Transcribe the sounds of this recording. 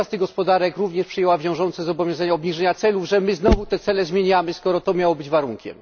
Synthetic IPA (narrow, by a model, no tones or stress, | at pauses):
ast̪ɘɡɔspɔd̪aɾɛkɾuvɲɛʂpʂɨjɛwavʲjɔ̃w̃ʐɔnt̪sɛzɔbɔvʲjɔ̃zaɲaɔbɲiʐɛɲat̪sɛluvʐɛmɘznɔvut̪ɛt̪sɛlɛzmʲjeɲamɘskɔɾɔt̪ɔmʲjawɔbɘd͡ʑvaɾuŋkʲɛ̰m